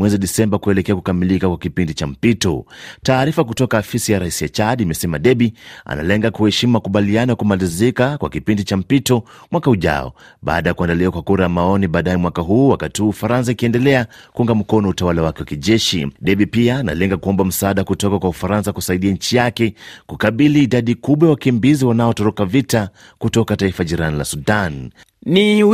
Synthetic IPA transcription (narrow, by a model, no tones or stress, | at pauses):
mwɛziɗisɛmbakuɛlɛkɛakukamilikakwakipindit͡ʃam̩pitɔ̰taːɾifakutɔkaːfisijaɾaisiat͡ʃaɗimɛsɛmaɗɛɓia̰na̰lɛŋɡakuhɛʃimumakuɓalianɔjakumalizikakwa̰kipindit͡ʃam̩pitɔ | mwakauʄa̰ɔ̰ɓa̰ːɗajakuandaliakwakuɾajamaɔniɓaːɗajɛmwakaɦuːwakatihuːufaɾans̬aikiɛndɛlɛa | kuuŋɡam̩kɔnɔutawalawakɛwakiʄɛʃḭɗɛɓipiaːna̰lɛŋɡakuɔmbam̩saaɗakutɔkakwaufaɾansakusaiɗiaɲ̩t͡ʃijakɛkukaɓiliːɗaɗikuɓwajawakimbiziwanaɔtɔɾɔkavita | kutɔkataifaʄiɾanila̰suɗan | ni